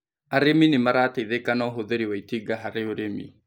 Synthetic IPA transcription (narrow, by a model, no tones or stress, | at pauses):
aɾeminemaɾaːtaiðekanɔɦoðeɾiwaitiɡaɦaɾeoɾemḭ